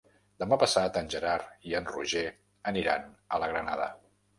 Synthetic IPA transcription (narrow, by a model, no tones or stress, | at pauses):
d̪əmapəsat̪ənʲʒəɾariənrṵʒe | əniɾa̰nələɣɾənaðə̰